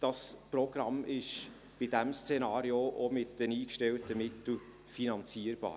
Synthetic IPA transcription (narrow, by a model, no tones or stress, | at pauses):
d̥ɑsproɡ̥rɑmɪʃ | b̥idæmst͡senɑːɾioʔomɪtd̥əniːkʃtɛltəmɪt̪l̩ | finɑnt͡siəɾb̥ɑ̰ː